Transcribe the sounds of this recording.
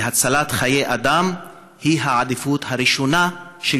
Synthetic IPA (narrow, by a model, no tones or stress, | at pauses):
ɦat͡salat̪χajejʔad̪am | hiɦaʕad̪ifut̪haɾiʃonaʃe